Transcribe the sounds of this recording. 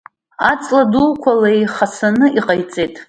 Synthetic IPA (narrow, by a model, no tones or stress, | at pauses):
at͡sʼladulkʷʰalajχasanɨʔiqʼajt͡sʼejtʼ